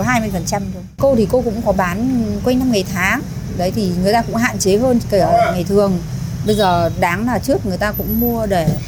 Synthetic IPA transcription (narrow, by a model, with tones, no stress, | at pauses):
ɦaː˧jmɨ˧əjfə˨˩nt͡ɕa˧mɗʊ˨˦ŋ͡mko˧t̪ʰi˨˩ko˧kʊ̰˧˥ŋ͡mkɔ˨˦ɓaː˨˦nkwa˧jŋna˧mŋa˨˩jt̪ʰaː˨˦ŋ | ɗə˨˦jt̪ʰi˨˩ŋɨ˨˩əjt̪aː˧kʊ̰˧˥ŋ͡mɦa̰ː˧˨nt͡ɕe˨˦ɦəː˧nke˧˩ə˨˩a̰˧˨˩ŋa˨˩jt̪ʰɨ˨˩əŋ | ɓə˧jzəː˨˩ɗaː˨˦ŋnaː˨˩t͡ɕɨ˦˥ək̚ŋɨ˨˩əjt̪aː˧kʊ̰˧˥ŋ͡mmu˧əɗe˧˩